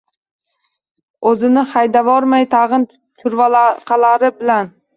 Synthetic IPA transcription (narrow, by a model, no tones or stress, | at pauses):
ɵzɪnɪχɑjd̪avɒɾmajt̪ʰɑʁɨn | t̪ʰʊɾvalaqʰɑlaɾɪbɪlan